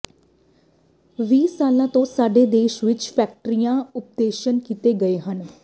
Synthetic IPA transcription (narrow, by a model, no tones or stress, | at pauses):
ʋiːsaːlãːt̪õːsaːɖeːd̪eːʃʋɪt͡ʃpʰɛːk̚ʈɾijãːʊp̚d̪eːʃənkiːt̪eːɡəeːɦən